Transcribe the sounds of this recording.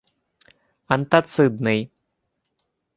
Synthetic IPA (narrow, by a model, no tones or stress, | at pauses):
ant̪asɨd̪̚nɨj